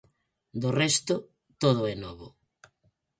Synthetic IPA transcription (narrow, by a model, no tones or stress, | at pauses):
d̪orɛst̪ʊ | t̪oð̞ʊɛnɔβʊ